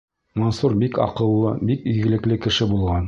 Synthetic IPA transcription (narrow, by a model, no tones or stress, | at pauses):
mɒnsuɾbikɒ̰qɤ̆lˠːɤbikiɡɘ̆lɘ̆klɘkɘ̆ʃɘbulˠʁɑn